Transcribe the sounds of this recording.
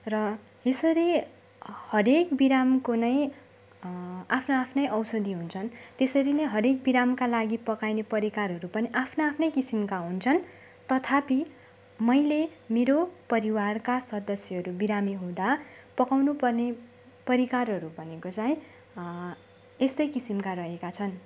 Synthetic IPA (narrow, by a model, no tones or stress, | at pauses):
rʌ | esʌɾi | hʌɾekbiɾamkonʌj̃ | apʰnaapʰnʌjʔʌwsʌd̪iɦunt͡sʰʌnt̪esʌɾinʌjɦʌɾek̚biɾamkalaɡipʌkajnepʌɾikarɦʌɾupʌniʔapʰnaapʰnʌjkisimkaɦunt͡sʰʌn | t̪ʌt̪ʰapi | mʌjlemeɾopʌɾiwarkasʌd̪ʌsjʌɦʌɾubiɾamiɦõd̪a | pʌkawnupʌrne | pʌɾikarɦʌɾubʱʌnekot͡sajĩ | est̪ʌjkisimkaɾʌɦekat͡sʰʌn